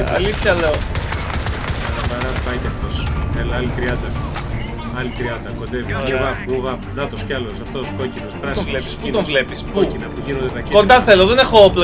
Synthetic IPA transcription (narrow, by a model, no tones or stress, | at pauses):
ɐ̰liθçɐleo | t̪ɐbɐɾɐpɐceɐft̪oselɐɐlit̪ɾiɐd̪ɐ | ɐlit̪ɾiɐd̪ɐkond̪eviuvɐpuvɐpnɐt̪oscɐlosɐft̪oskocinospɾɐst̪olepi̥sput̪ovle̞piskocinɐpuʝinond̪eðɐcko̞nd̪ɐθe̞loðenexoplo